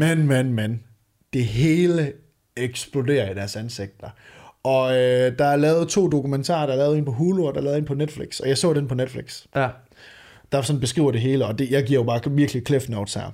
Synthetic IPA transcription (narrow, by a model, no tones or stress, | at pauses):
menmenmæn | d̥e̝ɦe̝ːlə | eɡ̥sb̥lode̝̰ːɐid̥æɐsænse̝ɡ̥̚d̥ɐɒ̽ød̥ɑ̈æɐlɛːʊð̞̩ˠt͡sʰo̝̰ːd̥o̝kument͡sʰɑ̰̈ːɐɾ̥ɑ̈ɐlɛːʊðˠe̝npʰɒ̽ɦuːlˠɒɾ̥ɑ̈lɛːʊðˠe̝ːnpʰɒ̽ned̥fliɡ̥sɒ̽jɑ̈ɪsɔ̰̽ːɾ̥enpʰɒ̽ned̥fliɡ̥s | d̥ɑsɒ̽nb̥e̝sɡ̥ʁḭʊ̰ɐd̥e̝ɦe̝ːləɒ̽d̥e̝jɑ̈ɪɡ̥iɐ̰jo̝b̥ɑ̈ːʋiɐɡ̥likʰlefnoʊd̥shæɐ̰